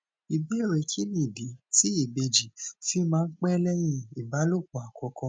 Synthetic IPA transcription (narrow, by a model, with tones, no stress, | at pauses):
i˨bi˨˦e˦˨ɾe˨kʰi˦nĩ˦˨bi˨˦ti˦i˦˨be˧d͡ʒi˨fi˦mãː˦˧n̩˦k͡pɛ˦lɛ˦j̃ĩ˧i˨ba˨˦lo˦˨ku˨a˨kʰɔ˧kɔ̃˧